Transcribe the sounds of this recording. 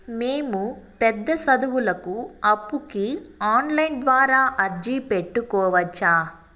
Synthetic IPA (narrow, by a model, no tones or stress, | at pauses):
me̞ːmupɛd̪ːɐsɐd̪uwulɐkuɐpːukiaːnlɐjnd̪ʋaːɾaːʔɐɾd͡ʒipeʈːukɔːʋɐt͡ʃːaː